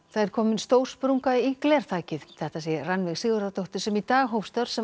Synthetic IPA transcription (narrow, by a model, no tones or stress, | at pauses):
θaðɛɾ̥kʰɔːmɪnst̪oːwr̥spɾuŋkaiklɛɾ̥t̪ʰaːcɪðθɛht̪asɛranvɪɣsɪːɣʏɾat̪ʰowht̪ɪ̥sɛmit̪aːɣɦowfst̪œɾ̥sɛ